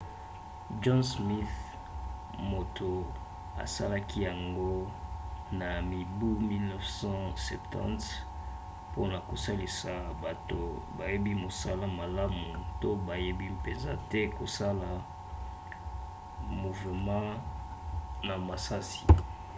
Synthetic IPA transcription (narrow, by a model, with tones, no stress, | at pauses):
d͡ʒɔ̃˦nsmi˦θ | mo˨tʰo˨ | a̰˨sa̰˦la˦kʰi˦ja˨ŋɡo˦ | na˨mi˨bu˦mi˦lnɔ˦fsɑ̃˦sɛ̰˨ptʰɑ̰̃˦nt | po̰˦na˨ko˨sa˦li˨sa˨ba˨to̰˨ba˨je˦bi˦mo˨sa˦la˦ma˨la˦mu˨to˦ba˨je˦bi˦pe˨nza̰˨tɛ˦ko˨sa˦la˨ | mu˨ve˨mɑ̃˦ | na˨ma˨sa˦si̥˨